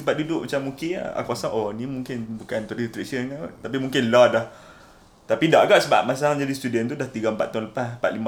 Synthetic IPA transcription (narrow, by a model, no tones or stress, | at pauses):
səbaʔ̚dudʊʔmat͡ʃamːuŋkɪ̰a̰kuasaŋʔonĩmũŋkɪnbukant̪ɔɾit̪ɾesənnat̪ap̬imũŋkɪnladah | t̪apidaʔɡaʔsəba̰ʔ̚mas̬aŋd͡ʒadist̪udənt̪udaht̪iɡaəmpat̪ːaʊnləpaspat̪̚lima